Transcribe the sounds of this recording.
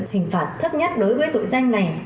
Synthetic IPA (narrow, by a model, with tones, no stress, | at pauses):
hï˨˩ŋ̟faː˨˩t̚t̪ʰə˦˥p̚ɲə˦˥t̚ɗo˨˦jvəː˨˦jt̪ṵ˧˨jza˧ŋ̟na˨˩j